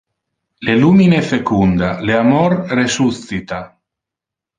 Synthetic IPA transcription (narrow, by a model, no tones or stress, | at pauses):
leluminefekund̪aleamɔrresuθit̪a